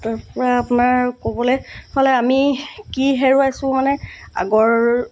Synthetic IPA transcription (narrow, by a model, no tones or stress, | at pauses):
taɹpɔɹaːpunaɹkobɔlɛjpʰalɛamikiɦeɹuasʊ̃manɛa̰ɡɔɹ